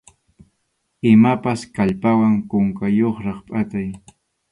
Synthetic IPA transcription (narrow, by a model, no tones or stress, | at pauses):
ɪmapaskaʎpawaŋkʊŋkajoχɾɑχpʼat̪aj